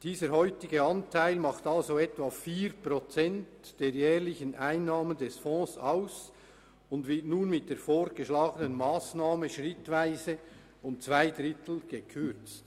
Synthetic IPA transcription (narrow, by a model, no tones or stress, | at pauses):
d̥iːzəɦɔʏtɪɡəɑntʰaɪlmɑχtɑlzoɛtvaːfiːɾprot͡sɛntd̥eːɾjɛːʁlɪçənʔaɪnːaːməndɛsfɔ̃ːsaʊs | ʊndvɪrtnuːnmɪt̚d̥eːfoːɾɡ̥əʃlaːɡənənmaːsnaːməʃʁɪtvaɪzə | ʊmt͡sv̥aɪdrɪtʰl̩ˠɡ̥əkʰʏɾt͡st